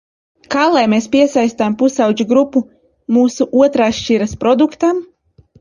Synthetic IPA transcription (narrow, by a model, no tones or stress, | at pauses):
kaːlˠajmeːspʲiɛsajst̪ampusawd͡ʒuɡɾupːu | muːsuʔuɔt̪ɾaːʃt͡ʃiɾɐspɾɔd̪ukt̪am